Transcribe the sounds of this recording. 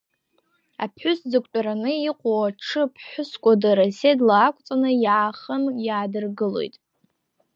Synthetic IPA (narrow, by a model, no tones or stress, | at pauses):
a̰pʰħʷᶣʊsd͡zɨkʷʼt͡ʃʷʼaɾanɨiqʷʼowaʈ͡ʂʰɨpʰħʷᶣʊskʷʼadaɾasedlaːkʷʼt͡sʼanɨjaaχəmjaːdɨrɡɨlo̞̰jtʼ